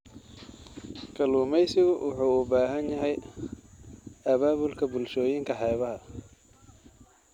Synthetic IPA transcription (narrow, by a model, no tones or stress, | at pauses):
kʰɐluːmɛjsɪɣʊwʊħuːʊbaːɦɐnjɐɦɛj | ɐβaːβʊlkʰɐbʊlʃɔːjɪŋkʰɐħɛːβɐɦɐ